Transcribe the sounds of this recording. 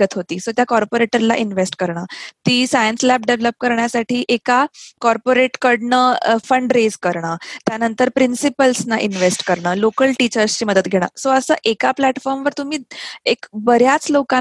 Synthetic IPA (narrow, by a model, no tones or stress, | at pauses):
ət̪ʰɦot̪iːsot̪jakɔɾpoɾeʈəɾla̰ʔinʋesʈkəɾɳat̪iːsajənslæp̚ɖeʋləp̚kəɾɳjasaʈʰiːʔekakɔɾpoɾeʈkəɽɳəfəɳɖɾed͡zkəɾɳ̃at̪janənt̪əɾpɾinsipəlsnaʔinʋesʈkəɾɳalokəlʈit͡ɕəɾst͡ɕiːməd̪ət̪ɡʱeɽ̃a̰soəsəːʔekaplæʈfɔɾmʋəɾt̪um̤iːekbəɾjat͡sloka